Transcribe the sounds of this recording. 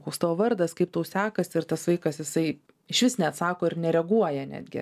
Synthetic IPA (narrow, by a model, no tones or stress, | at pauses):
koːkst̪ɑːʋoːʋɐrd̪ɐskɐɪp̚t̪oːsʲæːkɐsʲɪɾt̪ɐsʋɐɪkɐsjɪsɐɪ | ɪʃʲʋʲɪsnʲɛɐt̪sɑːkoːɪɾnʲɛɾʲɛɡuɔjɛnʲæ̰ːd̪ʲɡʲɪ̰